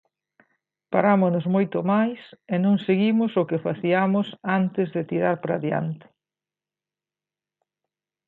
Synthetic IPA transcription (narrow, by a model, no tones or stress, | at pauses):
paɾamonʊzmojt̪ʊmajsenõŋseɣimʊsʊkɪfaθiamosant̪ɪzðɪt̪iɾaɾpɾaðja̰nt̪ɪ̥